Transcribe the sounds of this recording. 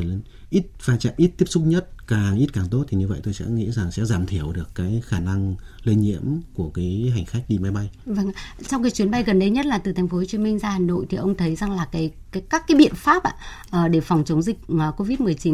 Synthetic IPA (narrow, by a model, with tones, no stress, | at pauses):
l | ʔi˦˥t̚vaː˧t͡ɕa̰ː˧˨mʔi˦˥t̚t̪i˦˥əsʊ˦˥k͡p̚ɲə˦˥t̚kaː˨˩ŋʔi˦˥t̚kaː˨˩ŋt̪o˦˥t̚t̪ʰi˨˩ɲɨ˧və̰˧˨jt̪o˧jsɛ̰˧˥ŋḭ˧˥za˨˩ŋsɛ̰˧˥zaː˧˩mt̪ʰi˧˩əwɗɨ˨˩əkːaː˨˦jxaː˧˩na˧ŋ | le˧nɲḭ˧˥əmku˧˩əkaː˨˦jɦa˨˩jŋ̟xa˦˥jk̟̚ɗi˧ma˨˦jɓa˧jvə˧˩ŋ˨t͡ɕɔ˧wŋ͡mkaː˨˦jt͡ɕwi˨˦nɓa˧jɣə˨˩nɗə˧jɲə˦˥t̚laː˨˩t̪ɨ˨˩˨ŋ̟fo˦o˧t͡ɕi˨˦mï˧ŋ̟zaː˧haː˨˩no̰˧˨jt̪ʰi˨˩ʔə˧wŋ͡mt̪ʰə˨˦jza˨˩ŋlaː˨˩kaː˨˦jkaː˨˦kaː˦˥kːaː˨˦jɓḭ˧˨ənfaː˦˥p̚ʔa̰ː˧˨ | ʔəː˨˩ɗe˧˩fɔ˨˩wŋ͡mt͡ɕə˨˦wŋ͡mzï˨˩k̟̚ə˨˩ko˧vi˦˥t̚mɨ˨˩əjt͡ɕi˨˦